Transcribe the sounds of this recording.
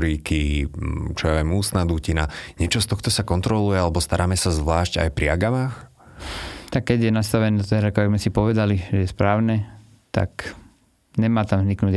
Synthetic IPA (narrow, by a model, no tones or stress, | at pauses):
ɾiki | t͡ʃɔjaʋjɛmuːst̪nad̪ucina̰ɲɛt͡ʃɔst̪ɔxt̪ɔsakɔnt̪ɾɔlujɛalɛbɔst̪aɾaːmɛsazʋlaːʃca̰jpɾiaɡamaːx | t̪akːɛɟjɛnast̪aʋɛnɛd̪t̪ɛɦɾakɔʋɛɡzmɛsipɔʋɛd̪aliʒɛjɛspɾaːʊnɛ | t̪a̰k | ɲɛmaːt̪amzniknuːɟ